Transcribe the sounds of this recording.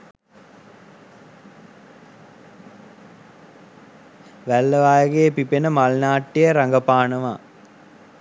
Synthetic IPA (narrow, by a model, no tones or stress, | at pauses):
ʋælːəʋaːjəɡeːpipenəmalnaːʈːejəɾaŋɡəpaːnəʋaː